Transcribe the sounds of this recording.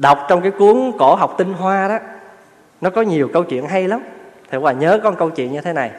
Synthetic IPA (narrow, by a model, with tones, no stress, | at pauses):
ɗa˨˩wk͡p̚t͡ɕɔ˧wŋ͡mkaː˨˦jku˨˦əŋko˧˩˦ɦa˨˩wk͡p̚t̪ï˧ŋɦwaː˧ɗɔ˨˦ | nɔ˨˦kɔ˨˦ɲi˨˩əwkə˧wt͡ɕwḭ˧˨ənɦa˧jla˨˦mt̪ʰi˨˩waː˨˩ɲəː˨˦kɔ˧nkə˧wt͡ɕwḭ˧˨ənɲɨ˧t̪ʰe˨˦na˨˩j